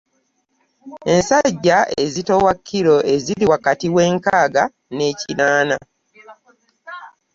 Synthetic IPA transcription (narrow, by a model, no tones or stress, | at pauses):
e̞nsaɟːae̞̰zito̞wakʰːiɾo̞e̞ziɾiwakatiwe̞ːŋkaːɡa | ne̞ːcinaːna